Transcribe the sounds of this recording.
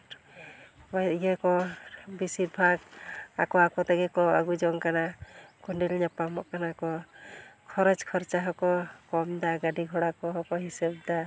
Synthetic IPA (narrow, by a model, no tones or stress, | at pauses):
baɛkɔbisiɾbʱaɡakɔakɔt̪ɛɡɛkɔaɡud͡ʒɔŋkanakuɳɖilɲapamɔʔkanakɔ | kʰɔɾɔd͡ʒkʰɔɾt͡ʃaɦɔkɔkɔmd̪aɡaɖiɡʱɔɽakɔɦɔkɔɦisɛb̚d̪a